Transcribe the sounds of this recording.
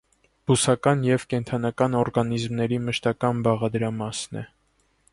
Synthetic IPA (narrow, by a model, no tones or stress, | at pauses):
busɑkɑnjɛvkɛnt̪ʰɑnɑkɑnɔɾɡɑnizmnɛɾiməʃt̪ɑkɑnbɑʁɑd̪əɾɑmɑsnɛ̰